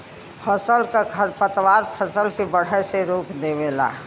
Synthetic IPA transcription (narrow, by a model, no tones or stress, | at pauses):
pʰəsəlkaɡʱəɾpət̪waːɾpʰəsəlkebəɽ̤ɛseɾuːkd̪emela̰ː